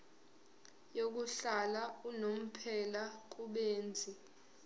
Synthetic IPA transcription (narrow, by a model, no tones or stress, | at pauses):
jok̬uɬalaunom̩pʰɛlak̬uɓeːnd͡zʱi